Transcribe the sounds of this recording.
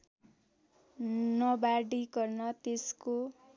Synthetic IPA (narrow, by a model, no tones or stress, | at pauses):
nʌbaɽiɡʌrnʌt̪esko